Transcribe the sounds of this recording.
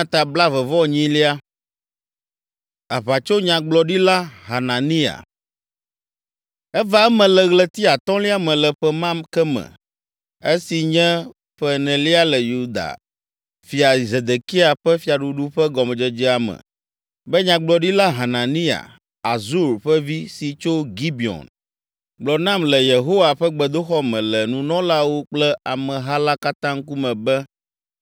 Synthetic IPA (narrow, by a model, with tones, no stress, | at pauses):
ã˨t̪a˨bla˦vɛ˨vɔ˦˨ɲĩ˦li˦a˦ | a˨ɸa˨t͡ʃo˦ɲã˨ɡ͡blɔ˨ɖi˦la˦ɦa˨nã˨nĩ˦a̰˨ | ɛ˦va˨ɛ˦mɛ̃˨lɛ˨ɣlɛ˦t̪i˦a˨t̪ɔ̃˦li˦a˦mɛ̃˨lɛ˨ɸɛ˦mã˦mkɛ˦mɛ̰̃˨ | e˦si˨ɲɛ̃˦ | ɸɛ˦nɛ̃˨li˦a˦lɛ˨ju˦d̪a̰˨ | fi˨a˨i˨ze˨d̪e˨ki˦a˨ɸɛ˦fi˨a˨ɖu˨ɖu˦ɸɛ˦ɡɔ˨mɛ̃˨d͡ʒɛ˨d͡ʒi˦a˨mɛ̰̃˨ | bɛ˦ɲã˨ɡ͡blɔ˨ɖi˦la˦ɦa˨nã˨nĩ˦a̰˨ | a˨zu˦ɾɸɛ˦vi˦si˨t͡ʃo˦ɡi˦bi˨ɔ̰̃˨n | ɡ͡blɔ˨nã˦mlɛ˨je˨ɦo˦wa˨ɸɛ˦ɡ͡bɛ˨d̪o˦xɔ˦mɛ̃˨lɛ˨nũ˦nɔ̃˦la˦wo˦k͡plɛ˦a˨mɛ̃˨ɦa˦la˦ka˦t̪ã˦ŋ̩˦ku˦mɛ̃˨bɛ˦